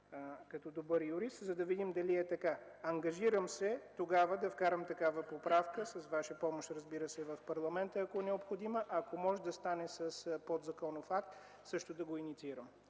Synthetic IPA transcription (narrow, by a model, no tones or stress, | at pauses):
kɐt̪ɔd̪obəɾjʊɾist̪zɐd̪ɐvid̪imd̪ɐliɛt̪ɐka | ɐŋɡɐʒiɾəmsɛt̪oɡavəd̪ɐfkaɾəmt̪ɐkavəpopɾafkəsɐsvaʃəpɔmoʃt̪ɾəzbiɾəsɛvɐfpɐɾlˠɐmɛnt̪əɐkoɛnɛopxod̪iməʔɐkomɔʒɛd̪ɐst̪anɛsɐspod̪zɐkɔnofak̚t̪ | sɤʃt̪od̪ɐɡoinit̪siɾəm